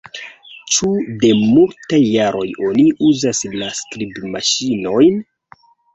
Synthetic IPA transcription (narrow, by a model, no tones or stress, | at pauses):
t͡ʃude̞multajːaɾo̞jo̞niʔuzaslastɾibmaʃino̞jn